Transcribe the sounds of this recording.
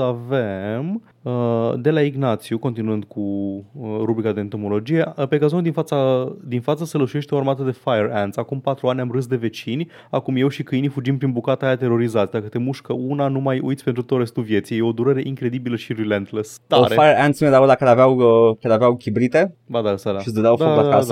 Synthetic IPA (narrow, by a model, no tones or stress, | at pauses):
avem | əd̪e̞laiɡnat̪sjuko̞nt̪inuɨnd̪kʰuəɾubɾikad̪eːnt̪o̞mo̞lo̞d͡ʒije̞pe̞ɡazonud̪infat̪sad̪infat̪səselət͡ʃujeʃt̪eo̞aɾmat̪əd̪e̞fajeɾɛnd̪sakumpat̪ɾuanʲamrɨs̬d̪e̞ve̞t͡ʃinʲ | akumje̞wʃikɨjnifud͡ʒimpɾinbukat̪ajat̪e̞ɾo̞ɾizat̪sʲd̪akət̪e̞muʃkəunanumajṵjt̪sʲpent̪ɾut̪o̞ɾest̪uvje̞t̪sijeo̞d̪uɾəɾe̞ʔiŋkɾe̞d̪ibiləʃiɾilent̪ləst̪aoɾefajeɾant̪smed̪avod̪akəlavawəkəleaveawkʲibɾit̪ed̪ad̪aəsad̪aʃisd̪əd̪aw̪aaa